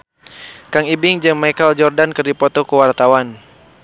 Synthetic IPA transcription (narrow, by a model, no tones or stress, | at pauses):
kaŋibɪŋd͡ʒəŋmajkəld͡ʒɔrdankərdipɔt̪ɔkuwart̪awan